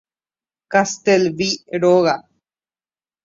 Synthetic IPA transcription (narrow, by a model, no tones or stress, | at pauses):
kast̪elʋiɾoɣa